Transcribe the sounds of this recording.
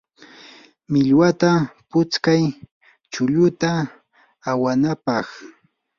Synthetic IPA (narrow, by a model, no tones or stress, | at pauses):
mɪʎwat̪apʊt͡skaj | t͡ʃʊʎʊt̪aː | wanapɑχ